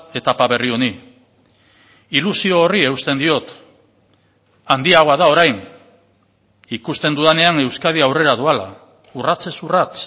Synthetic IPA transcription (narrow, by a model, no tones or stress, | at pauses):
e̞t̪apaβe̞rioni | ilusio̞ːrie̞ust̪e̞nd̪io̞t̪ | and̪iaɣoaðao̞ɾajn | ikust̪e̞nd̪uðane̞aŋe̞wskaðiawre̞ɾaðuala̰ | urat͡se̞surat͡s